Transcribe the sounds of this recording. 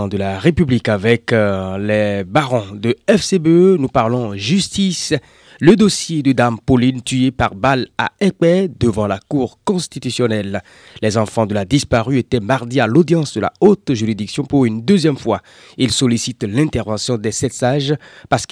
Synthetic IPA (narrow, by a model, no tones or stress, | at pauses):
d̪əlaʁepyblikavɛklɛbaʁɔ̃d̪əɛfsebønupaʁlɑ̃ʒyst̪is | ləd̪osjed̪əd̪ampolint̪yepaʁbala̰ɛk͡pɛd̪əvɑ̃lakuʁkɔ̃st̪it̪ysjɔnɛlː | ɛzɑ̃fɑ̃d̪əlad̪ispaʁyet̪ɛmaʁd̪ialod̪jɑ̃sd̪əla̰ot̪ʒyʁid̪iksjɔ̃puʁynd̪øzjɛmfwa | ilsɔlisit̪lɛ̃t̪ɛʁvɑ̃sjɔ̃d̪ɛsɛt̪saʒpaʁsk